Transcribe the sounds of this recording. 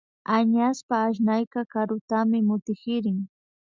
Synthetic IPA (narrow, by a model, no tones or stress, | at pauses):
aɲaspaːʃ̬najkɑkaɾʊt̪amɪmʊt̪ɪkɪɾɪŋ